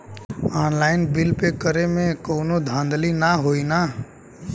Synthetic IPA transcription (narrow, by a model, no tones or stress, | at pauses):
aːnlaɪnbilpekəɾemẽkoːnod̪ʱãnd̪linaɦoina